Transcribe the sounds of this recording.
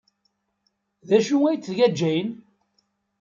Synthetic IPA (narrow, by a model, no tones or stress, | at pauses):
ðæʃuŋæjt͡sːðʝæd͡ʒːæjn